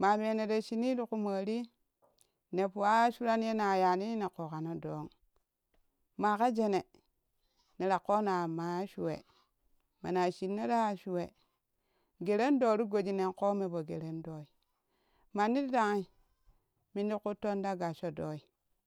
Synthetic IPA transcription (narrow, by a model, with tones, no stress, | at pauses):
ma˨me˨ne˨de˨ʃi˦ni˦du˦ku˦ma˨ɾi˦ | ne˨pu˨a˦ʃu˦ɾa˦nje˦na˨ja˨ni˦ne˨ko˨ka˨no˦do˨˦ŋ | ma˨ka˦d͡ʒe˨ne˨ | ne˨ɾa˨ko˦na˨ma˨˦ʃu˨wḛ˨ | ma˨na˨ʃi˨nːe˦da˦˨ʃu˨we˨ | ɡe˨ɾe˦n˦do˨ɾu˦ɡo˨d͡ʒi˦ne˨nko˦me˨bo˨ɡe˨ɾe˦ndo˦i˨ | ma˨ni˦di˦da˨ŋi˦ | mi˦ndi˦ku˦to˦nda˦ɡa˨ʃo˦do˦i˦